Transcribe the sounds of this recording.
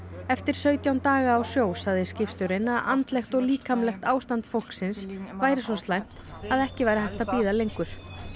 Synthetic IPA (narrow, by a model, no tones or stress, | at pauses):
ɛft̪ɪɾ̥sœːɥt̪jawnt̪aːɣaːwsjoːwsaɣðɪscɪfst̪ʏɾɪnaða̰nt̪lɛxt̪ɔɣliːkamlɛxt̪aːwst̪ant̪fowl̥ksɪnsvaːjɾɪs̬ɔst̪lajm̥t̪aðɛhcɪvajɾahajht̪aðpiːðalejŋkʏɾ̥